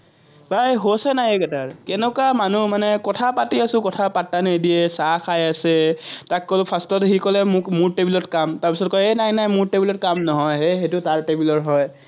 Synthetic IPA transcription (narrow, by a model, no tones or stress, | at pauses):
bʱajɦosɛnajekɛtaɹkɛnɛkamanumanɛkɔtʰapatiasʊ̃kɔtʰapatːanejdiɛsaxʰajasɛtakːolpʰastɔtɦikɔlɛmʊkmʊɹtebilɔtkamtaɹpisɔt̚kɔjenajnajmʊɹtebilɔt̚kamnɔɦɔjɦexetʊtaɹtebilɔɹɦɔj